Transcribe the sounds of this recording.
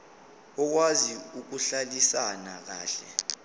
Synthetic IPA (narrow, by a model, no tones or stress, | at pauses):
ɔk̬waziuk̬uɬalisanak̬aːɬɛ̰